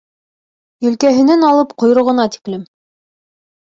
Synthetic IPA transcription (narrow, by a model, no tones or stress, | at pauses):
jɵ̆lkæɦɘ̆nænɑlˠɤpqŏjɾŏʁɤ̆nɑt̪i̥klɘm